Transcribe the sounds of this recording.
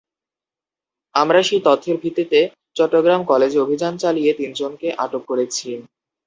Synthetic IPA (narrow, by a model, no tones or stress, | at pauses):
amɾaʃit̪ɔt̪ʰːeɾbʱit̪ːit̪e | t͡ɕɔʈːoɡɾamkɔled͡ʑeobʱid͡ʑant͡ɕalijet̪ind͡ʑonkeʔaʈokːoɾet͡ɕʰi